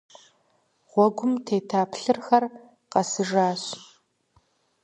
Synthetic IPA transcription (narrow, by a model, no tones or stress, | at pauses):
ʁʷɔɡʷʊmtʰeːtʰaːpʰɬɨrxɐr | qɐsɨʒaːɕ